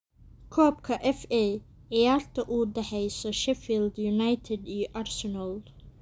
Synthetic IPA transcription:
kʰɔːb̚kʰɐʔɛfɛː | ʕɪjaːrt̪ʰɐʔuːd̪ɐħɛjsɔʃɛfiːld̪jʊnajt̪ʰɛd̪iːjɔʔaːrsɛnɐl

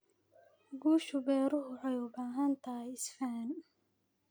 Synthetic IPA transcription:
ɡuːʃʊbɛːɾʊɦʊʕɛjʊbaːɦɐnt̪ʰɐjɪsfaːn

